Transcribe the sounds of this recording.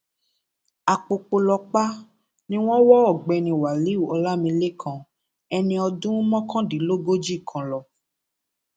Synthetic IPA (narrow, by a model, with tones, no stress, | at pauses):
a˨k͡po˧k͡po˧lɔ˧k͡pa˦ | nĩ˦w̃ɔ̃˦wɔ˦ɔ˦˨ɡ͡bɛ˧nĩ˧˨wa˨li˨˦u˦˨ɔ˧la˦mĩ˧le˦˨kʰã˧ | ɛ˧nĩ˧ɔ˧dũ˦mɔ̃˦kʰã˦di˨˦lo˦ɡo˦d͡ʒi˦˨kʰã˨lɔ˨